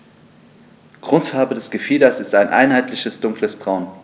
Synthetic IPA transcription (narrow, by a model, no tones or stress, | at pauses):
ɡ̥ʁ̥ʊnsfaɐbədɛsɡ̥əfiːdɐsɪstaɪnʔa̰ɪnɦaɪtlɪçəsd̥ʊŋkləsb̥ʁaʊn